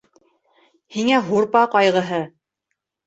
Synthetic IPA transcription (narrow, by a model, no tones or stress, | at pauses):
hiŋæɦuɾpɑqɒjʁɤ̆ɦɤ